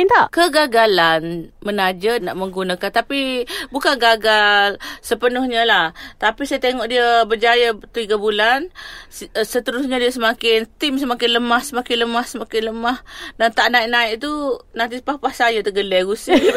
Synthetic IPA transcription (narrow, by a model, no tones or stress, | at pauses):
nt̪aʔkəɡaɡalanmənad͡ʒənaʔməŋɡunakant̪apibukanɡaɡalsəpənʊhɲəlaht̪apisajət̪eŋɔʔdiəbərd͡ʒajat̪iɡabulan | sət̪əɾusɲadiəsəmakɪnt̪ɪmsəmakɪnləmahsəmakɪnləmahsəmakɪnləmahdant̪aʔnaiʔnaɪʔ̚t̪unant̪ispahpahsajət̪əɡəlɛɡusi